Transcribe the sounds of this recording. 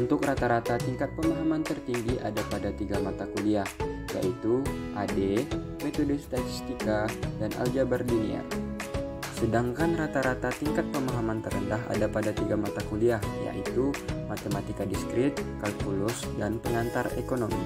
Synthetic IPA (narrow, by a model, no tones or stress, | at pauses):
unt̪ʊk̚rat̪aɾat̪at̪iŋkat̪̚pəmaɦamant̪ərt̪iŋɡiʔadapadat̪iɡamat̪akuliahja̰ʔit̪uʔade | met̪odɪst̪atist̪ikadanʔa̰ld͡ʒabərdinia̰r | sədaŋkanrat̪aɾat̪at̪iŋkat̪̚pəmaɦamant̪ərəndaɦa̰dapadat̪iɡamat̪akuliahja̰ʔit̪umat̪emat̪ikadiskɾɪt̪̚kalkulʊs | danpəŋant̪arḛkonomḭ